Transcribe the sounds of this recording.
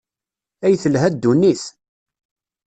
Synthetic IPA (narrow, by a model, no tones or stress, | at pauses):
æjθəlɦæd̪ːunːis